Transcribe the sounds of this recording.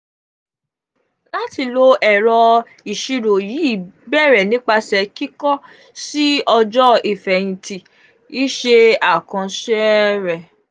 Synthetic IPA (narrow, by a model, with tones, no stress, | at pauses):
la˦ti˧lo˧ɛ˨ɾɔ˧ | i˨ʃi˧ɾo˨ji˨˦i˦˨bɛ˦˨ɾɛ˨nĩ˨˦k͡pa˧sɛ˧ki˦kɔ˦ | si˦ɔ˧d͡ʒɔ˦i˨fɛ˨j̃ĩ˨ti˨ | i˦ʃe˧a˨kã˧ʃɛ˦ɾɛ˨